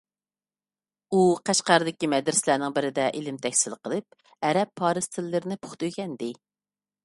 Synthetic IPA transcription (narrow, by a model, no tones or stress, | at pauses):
uqʰæʃqɑɾɨd̪ɪkʲimɛd̪ɾɪslæɾnɪŋbɪɾɪd̪ɛʔelɪmt̪ʰɛkʲsɪlqʰəlˠɨp̚ | ɛɾɛpʰːɑːɾɨst̪ʰɪlːɨɾɪnɪpʰʊ̥χt̪yjkʲɛnd̪ɪ